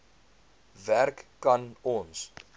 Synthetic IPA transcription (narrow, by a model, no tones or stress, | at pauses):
værkːɐnɔns